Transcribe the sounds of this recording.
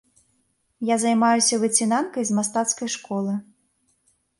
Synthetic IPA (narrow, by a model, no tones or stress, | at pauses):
jazajmajusʲɐvɨt͡sʲinankɐjzmast̪at̪skɐjʂkɔlˠɨ